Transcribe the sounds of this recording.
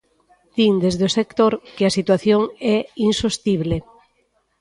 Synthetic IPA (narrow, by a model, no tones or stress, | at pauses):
d̪̥iŋd̪ezðosekt̪oɾkeasit̪waθjoŋɛinsost̪iβle